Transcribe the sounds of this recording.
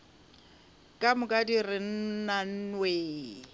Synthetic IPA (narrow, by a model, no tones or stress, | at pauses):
kʼamʊkʼadirɪn̩nan̩nweː